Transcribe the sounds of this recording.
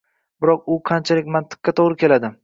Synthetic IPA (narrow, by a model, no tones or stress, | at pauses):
bɪɾɒq̚ʊqʰɑnt͡ʃʰalɪkʲmant̪ʰɪ̥q̚ʲːat̪ʰoʁɾɪkʲe̞lad̪ɪ